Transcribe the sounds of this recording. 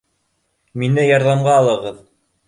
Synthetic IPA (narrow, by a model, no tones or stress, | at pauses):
minɘjɑɾðɑmɢɑːlˠɤ̆ʁɤð